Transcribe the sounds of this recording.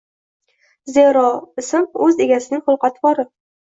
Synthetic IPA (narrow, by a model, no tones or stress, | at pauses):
zeɾɒɪsɪmɵze̞ɡʲasɪnɪŋχʊlˠqɑt̪ʰbɒɾɪ